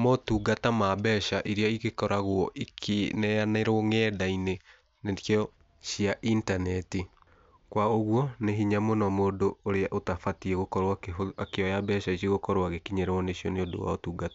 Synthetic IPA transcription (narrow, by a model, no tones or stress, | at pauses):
motuːɡatamabɛʃaʔiɾeaiɣekɔɾaɣwɔʔikʰenɛaneɾoŋɛːdaine | neɔ | ʃiaʔintanɛti | kwaoɣwɔneɦiɲamonɔmoːdoːɾeaʔotafatiɛɣokɔɾaoakeɔjabɛʃaiseɣokɔɾwaɣekiɲɛɾɛwɔneɕjɔneodo̰wa̰otuːɡatḁ